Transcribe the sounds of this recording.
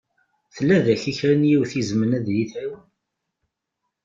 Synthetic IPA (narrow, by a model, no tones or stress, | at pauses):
θəlːæðæçiçɾænjiwθizmənæðliθæən